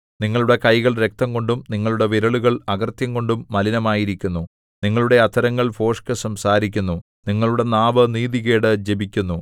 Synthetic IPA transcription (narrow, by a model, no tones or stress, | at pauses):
niŋːɐɭuɽe̞kɐjɣɐɭɾe̞k̚t̪ɐŋɡo̞ɳɖumniŋːɐɭuɽe̞ʋiɾɐɭuɣɐɭɐɣɐrt̪jɐŋɡo̞ɳɖumːɐlinɐmaːjiɾikʲːunːu | niŋːɐɭuɽe̞ɐt̪ʰɐɾɐŋːɐɭfo̞ːʂkɨsɐmsaːɾik̬ʲːunːu | niŋːɐɭuɽe̞naːʋɐniːðiɣe̞ːɽɨd͡ʑebikʲːunːu